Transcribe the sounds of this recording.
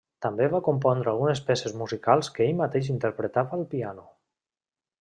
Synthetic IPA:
t̪ambeβakumpɔnd̪ɾəalˠɣunespɛsezmuzikalˠskəeʎmat̪eʃ̬int̪əɾpɾət̪aβəːlˠpianu

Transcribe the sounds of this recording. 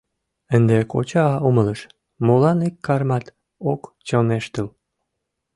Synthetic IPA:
ənd̪eko̰t͡ɕɑɑumələʃ | molɑnekːɑrmɑt̪ | okt͡ɕoneʃt̪əl

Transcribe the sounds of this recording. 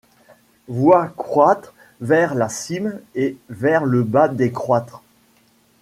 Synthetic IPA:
vwakχwat̪χ | vɛʁlasimevɛʁləbad̪ekχwat̪χ

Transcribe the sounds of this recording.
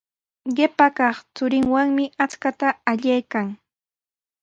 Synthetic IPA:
ɢɪpakɑχt͡sʊɾɪŋwaŋmɪat͡skat̪aːʎajkaŋ

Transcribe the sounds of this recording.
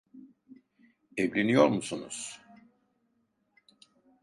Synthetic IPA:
ɛvlʲenijo̞ɾmusunuz̥

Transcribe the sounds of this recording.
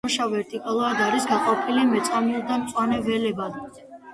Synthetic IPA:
ʃavɛɾt̪ʼikʼalˠɔad̪aɾisɡaqʼɔpʰilimɛt̪sʼamiuld̪amt̪sʼwanɛvɛlɛbad̪

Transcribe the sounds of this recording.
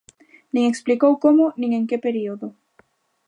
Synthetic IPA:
nieksplikowkomoniŋeŋkepeɾioðo

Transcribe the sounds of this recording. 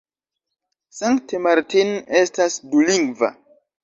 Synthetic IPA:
saŋktemaɾtinestasduliŋɡva̰

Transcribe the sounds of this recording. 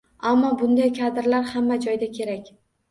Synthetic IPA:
amːɒbʊnd̪ajkʰad̪ɪɾlaɾhamːad͡ʒɒjd̪akʲʰe̞ɾakʲ

